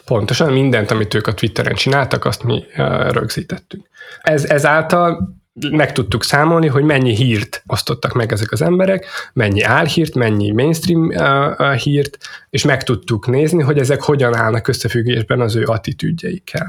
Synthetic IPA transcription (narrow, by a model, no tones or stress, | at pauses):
po̞nt̪o̞ʃɒnmind̪ɛnt̪ɒmit̪øːkɒt̪ʋit̪ːɛɾɛ̰nt͡ʃinaːlt̪ɒkɒ̰st̪mḭɾø̰ɡz̥iːt̪ɛt̪ːyŋkɛzɛzaːlt̪ɒl | mɛkt̪ut̪ːuksaːmo̞lniɦo̞ɟmɛɲːiɦiːrt̪o̞st̪o̞t̪ːɒkmɛɡɛzɛkɒzɛmbɛɾɛkmɛɲːiaːlhiːrt̪mɛɲːimeːnst̪rim | hiːrt̪eːʃmɛkt̪ut̪ːukneːzniɦo̞ɟɛzɛkho̞ɟɒnaːlnɒkø̞sːɛfyɡːeːʒbɛnɒzøːʔɒt̪it̪y̰ɟːɛjikʰːɛ̰l